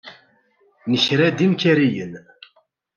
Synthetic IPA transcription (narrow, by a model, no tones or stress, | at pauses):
niɕɾɛd̪imkʲʰɛɾijən